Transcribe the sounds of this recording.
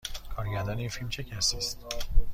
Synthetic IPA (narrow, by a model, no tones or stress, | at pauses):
kʰɒːɾɟæɾd̪ɒːneiːnfilmt͡ʃʰe̞cʰæsiːst̪